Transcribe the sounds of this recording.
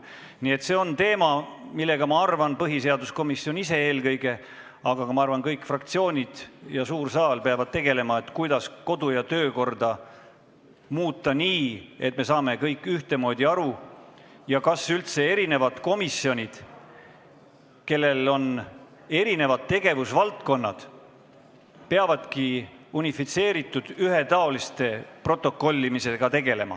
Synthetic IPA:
niːe̞t̪ːse̞o̞nt̪e̞ːmɑmilːe̞ɡ̥ɑmɑɑrvɑnpɤɦise̞ɑd̪usko̞misjo̞nise̞e̞ːlkɤjɡ̥e̞ | ɑɡ̥ɑkɑmɑɑrvɑnkɤjkːˑfrɑkt̪sio̞ːnʲid̪̥jɑsuːrsɑːlpe̞ɑvɑd̪̥̚t̪e̞ɡ̥e̞le̞mɑe̞t̪ːkujd̪̥ɑsko̞d̪ujɑt̪ø̞ːko̞rd̪̥ɑ | muːt̪ːˑɑniːe̞t̪̚me̞sɑːme̞kɤjkːˑyht̪e̞mo̞ːd̪̥ʲiɑɾu | jɑkɑsylt̪se̞e̞ɾine̞vɑd̪̥ko̞misːio̞nʲid̪̥ | ke̞lːe̞lo̞n | e̞ɾine̞vɑd̪̥̚t̪e̞ɡ̥e̞vusvɑlt̪ko̞nːɑd̪̥ | peɑvɑd̪̥kiunifit̪se̞ːɾit̪ːˑud̪̥yɦe̞t̪ɑo̞list̪e̞pro̞t̪ːˑo̞kːˑo̞lʲːimise̞ɡ̥ɑt̪e̞ɡe̞le̞mɑ̰

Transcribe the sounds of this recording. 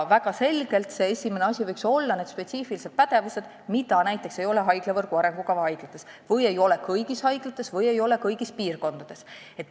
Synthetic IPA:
væɡɑse̞lɡ̥e̞lt̪se̞esʲimeneɑsʲivɤjkso̞lːɑne̞d̪spe̞t̪siːfilise̞t̪̚pæt̪e̞vuse̞d̪̥ | mit̪ɑnæjt̪ˑːe̞kse̞jo̞le̞ɦɑjɡ̥levɤrɡ̥uɑɾe̞ŋɡ̥ukɑvɑhɑjɡ̥lɑt̪ːˑe̞s | vɤje̞jo̞le̞kɤjɡishɑjɡ̥lɑt̪ːˑe̞svɤje̞jo̞le̞kɤjɡ̥ispiːrko̞nd̪̥ɑd̪̥e̞s | e̞t̪ː

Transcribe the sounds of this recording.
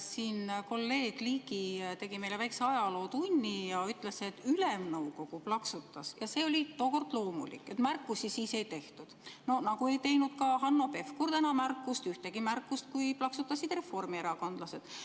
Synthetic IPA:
siːnko̞lːe̞ːɡ̥liːɡit̪e̞ɡ̥ime̞jlevæjkseɑjɑlo̞ːt̪unʲːijɑyt̪ːˑleseːt̪ːˑylemnɤwko̞kuplɑksut̪ːˑɑsjɑse̞ːo̞lʲit̪o̞ːko̞rd̪̥lo̞ːmṵlḭkːˑe̞t̪mærkːˑusisiːse̞jt̪e̞ht̪ud̪̥no̞nɑkue̞jt̪e̞jnud̪̥kɑɦɑnːo̞pe̞fkuɾt̪ænɑmærkːˑust̪yht̪e̞ɡimærkːˑust̪̚kujplɑksut̪ːˑɑsid̪̥re̞fo̞rmieɾɑko̞nd̪lɑse̞d̪̥

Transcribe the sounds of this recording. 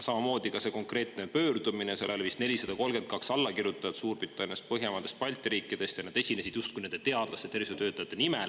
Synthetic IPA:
sɑmɑmo̞ːd̪ikɑse̞ko̞ŋkre̞ːt̪nepø̞ːrd̪̥umineselelvist̪ne̞lʲisɑd̪̥ɑko̞lɡ̥e̞nt̪̚kɑksɑlːɑkirjut̪ːˑɑjɑt̪suːrpit̪ːˑɑnʲijɑst̪̚pɤɦjemɑnd̪e̞st̪̚pɑlʲt̪ːˑiɾiːkːˑid̪̥e̞st̪jɑnɑd̪e̞sʲine̞sid̪̥just̪̚kujne̞nd̪e̞t̪e̞ɑd̪̥lɑset̪ːerviset̪øːt̪ːˑɑjɑtt̪ːˑenimel

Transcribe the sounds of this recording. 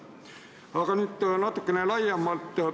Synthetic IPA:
ɑkɑnyt̪ːnɑt̪ukːenelɑjɑmːɑlt̪ːə

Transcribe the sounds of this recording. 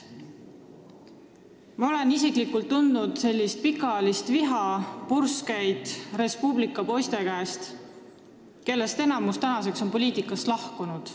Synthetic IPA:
mɑo̞le̞nisiklikult̪ːund̪nud̪̥se̞lʲːist̪̚pikːˑɑlist̪viɦɑpurskæjd̪̥re̞spublikːˑɑpo̞jst̪e̞kæest̪ | ke̞lːe̞st̪e̞nɑmust̪ænɑse̞kso̞npo̞lʲiːt̪ˑikːˑɑst̪lɑhkunud̪̥

